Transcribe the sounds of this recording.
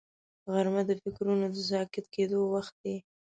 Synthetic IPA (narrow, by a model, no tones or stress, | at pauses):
ɣaɾmad̪əfɪkɾunod̪əzɑkɪt̪ked̪owaxt̪̚d̪e